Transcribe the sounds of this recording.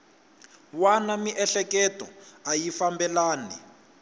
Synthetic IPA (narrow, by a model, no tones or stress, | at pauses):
wanamiʔɛɬɛkɛtɔ̰ajifambɛlaːni